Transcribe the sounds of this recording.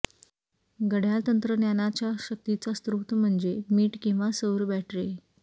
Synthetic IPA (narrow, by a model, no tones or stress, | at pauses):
ɡəɽ̤ʱjalt̪ənt̪ɾənjanat͡ɕjaɕək̚t̪it͡sast̪ɾut̪m̤əɳd͡zemiːʈkĩw̃ʋasəwɾbæʈʰɾe